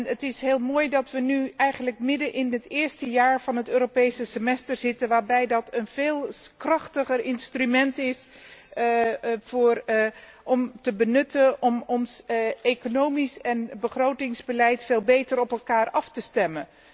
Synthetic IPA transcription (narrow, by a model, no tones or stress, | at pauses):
nətɪsɦeːlˠmoːjdɑtʋənyɛjχənlək̚mɪdənʔɪnɦətɪːɹstəjaːɹv̥ɑnɦətøːɾopejsəsəmɛstəɹzɪtənʋaːɹbɛjdɑtənv̥eːlˠkrɑχtəχərɪnstrymɛntɪs | v̥ʊːr | ʔɔmtəbənɵtənʔɔmɔnsekonowmisɛnbəχrowtɪŋzbəlɛjtfeːlˠbejtəɾɔpɛlˠkaːɹɑftəstɛmən